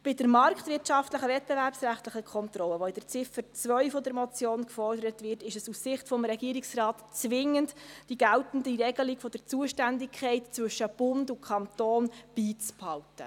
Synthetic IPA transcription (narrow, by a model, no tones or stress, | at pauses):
b̥ɪdəɾmɑrktvʋɪrtʃɑftləχəvɛt̚b̥ɛvæɾpsræχtləχəkʰχɔnt̪ɾɔlːəʋɔɪd̥əɾt͡sɪfəɾt͡svœʏfɔdəɾmɔt͡sjoːnkfɔrdəɾətvʋɪrtɪʃəsussɪχtfɔmɾɛɡiəɾiksrɑːtt͡sʋɪŋːəntd̥iɡæltən̩diɾɛɡəlɪkfɔd̥əɾt͡suəʃtændɪkʰɛɪtt͡svɵʃəb̥ʊndukʰχɑnt̪oːnb̥iːt͡sphɑltə̰